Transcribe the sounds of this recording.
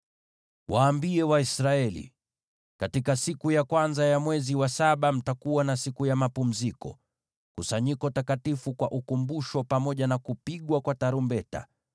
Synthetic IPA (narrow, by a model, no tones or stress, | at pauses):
wʔaːmbiɛwaisɾaɛlḭ | katikasikujakwanzajamwɛziwasaɓam̩takuwanasikujamapum̩zikɔ̰ | kusaɲikɔtakatifukwaʔukumbuʃɔpamɔʄanakupiɠwakwataɾumbɛta̰